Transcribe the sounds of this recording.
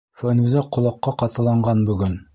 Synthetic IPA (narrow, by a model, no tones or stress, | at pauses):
fænuzɑqŏlˠɑqːɑqɑt̪ɤ̆lˠɑɴɢɑnbɵ̆ɡɘn